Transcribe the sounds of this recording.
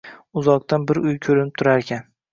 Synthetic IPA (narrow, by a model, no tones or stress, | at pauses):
ʊzɒq̚t̪anbɪɾʊjkʲʰɵɾɪnɪp̚t̪ʰʊɾaɾekʲʰan